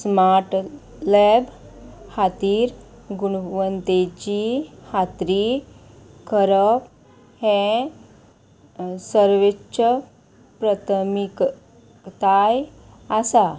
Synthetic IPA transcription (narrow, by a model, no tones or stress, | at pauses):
smaɾʈ | leb | hat̪iːɾ | ɡuɳ̃ʋənt̪et͡ɕihat̪ɾi | kʰəɾəp | hẽ | səɾʋeə | pɾət̪ʰmik | t̪aj | asa